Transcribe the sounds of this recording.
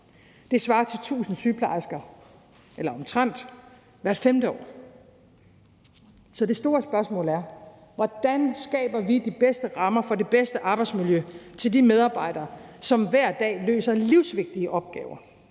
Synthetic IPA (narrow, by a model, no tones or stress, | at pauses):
d̥e̝sʋɑ̈ːt͡sʰe̝lt͡sʰṵːsn̩syːpʰlɑ̰̈sɡ̥ɐ | ʔelɐɒ̽mt͡sʰʁɑn̰d̥ | ʋæɐ̥femd̥əɒ̰ː | sɒ̽d̥e̝sd̥o̝ːɐsb̥ɶɐsmɔ̰̽ːlæɐ | ʋɒd̥ænsɡ̥ɛ̰ːb̥ɐʋid̥ib̥esd̥əʁɑ̈mɐfɒ̽de̝b̥esd̥əʔɑ̈ːb̥ɑ̈ɪ̥smiljøt͡sʰe̝ldimeð̞ˠɑ̈ːb̥ɑ̈ɪ̰d̥ɐːsɒ̽mʋæɐ̰d̥ɛ̰ːlø̰ːsɐliʊsʋe̝ɡ̥̚d̥iəʔɒ̽b̥̚ɡ̥ɛ̰ːʊɐ